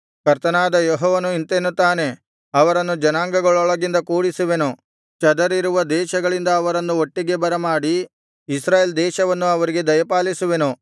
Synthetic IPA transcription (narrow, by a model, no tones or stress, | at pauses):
kɐɾt̪ɐnaːd̪ɐjɔɦɔːʋɐnuint̪enːut̪aːne̞ | ɐʋɐɾɐnːud͡ʒɐnaːŋɡɐɡɐɭɔɭɐɡind̪ɐkuːɽisuʋe̞nu | t͡ʃɐd̪ɐɾiɾuʋɐd̪ɛːʃɐɡɐɭind̪ɐːʋɐɾɐnːuoʈːiɡe̞bɐɾɐmaːɽi | isɾaːjeːld̪ɛːʃɐʋɐnːuɐʋɐɾiɡe̞d̪ɐjɐpaːlisuʋe̞nu